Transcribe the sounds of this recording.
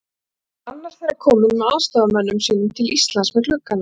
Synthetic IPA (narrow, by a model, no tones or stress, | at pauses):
anːaɾ̥θejɾaɾkʰɔːmʏnmɛðaðst̪aːɣamœnːʏmsiːnʏmt̪ʰɪlist̪lansmɛkl̥ʏkːana